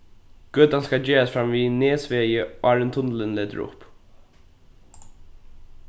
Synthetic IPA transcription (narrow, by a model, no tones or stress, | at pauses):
ɡ̥øːt̪anskad͡ʒeːɹasfɾamvineːsʋeːjəɔaɹɪnt̪ʰʊnlɪnleːt̪ə̰ɹʊ̰p